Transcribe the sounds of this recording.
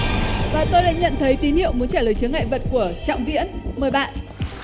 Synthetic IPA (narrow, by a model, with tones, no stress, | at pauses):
vaː˧˨˩t̪o˧jɗa̰ː˧˥ɲə̰˧˨nt̪ʰə˨˦jt̪i˨˦nhḭ˧˨əwmu˨˦ənt͡ɕaː˧˩ləː˨˩jt͡ɕɨ˨˦əŋːa̰˧˨jvə˨˩t̚ku˧˩ət͡ɕɔ̰˧˨wŋ͡mvḭ˧˥ənməː˨˩jɓa̰ː˧˨n